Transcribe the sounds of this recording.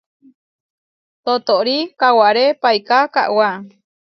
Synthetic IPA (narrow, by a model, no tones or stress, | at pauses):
t̪ot̪oʔɾikawaʔɾepajkaka̰ʔwa